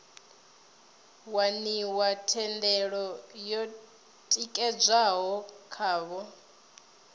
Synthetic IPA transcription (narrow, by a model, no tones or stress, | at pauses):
waniwatʰɛndɛɺɔjɔ | tʼikʼɛd͡zʷaɦɔkʰaːβɔ